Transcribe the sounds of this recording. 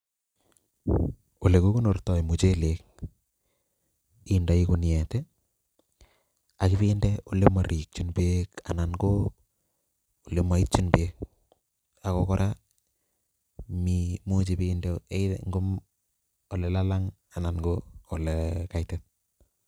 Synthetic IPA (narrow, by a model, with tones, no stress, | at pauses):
o˨le˨ko˦ku˦no˨rtɔ˨i˨mu˨t͡ʃe˦le˨k̚ | i˦nda˨i˦ku˦njɛ˨tɛ˦ | a˨kɪ˦piː˦ndɛo˨le˦ma˨ɾi˨k̚t͡ʃu˦nbeːka̰˨na˨nɡo˦ | o˨le˦ma˨i˦t̚t͡ʃu˦nbeː˦k̚ | a˨kɔkɔɾʔa | mimu˦t͡ʃi˨piːndɛ˦e˦ŋɡo˦m | o˨lɛ˨la˦la˦ŋ | a˨na˨nɡoː˨lɛkajtɛt̚